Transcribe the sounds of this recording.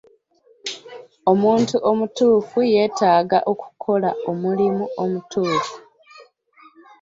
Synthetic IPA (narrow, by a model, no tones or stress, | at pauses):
o̞muːntuʔo̞mutuːfuje̞ːtaːɡa̰ʔo̞ku̥kʰo̞la̰o̞mulimuo̞mutʰuːfu